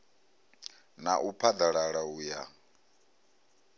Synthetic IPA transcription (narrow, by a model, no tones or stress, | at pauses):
naʔupʰad̪aɺaɺauja